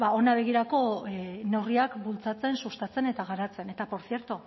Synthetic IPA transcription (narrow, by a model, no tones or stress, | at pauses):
bao̞naβ̞e̞ɣ̞iɾako̞ne̞wriakbult͡sat͡se̞nsust̪at͡se̞ne̞t̪aɣ̞aɾat͡se̞ne̞t̪apo̞ɾθje̞ɾt̪u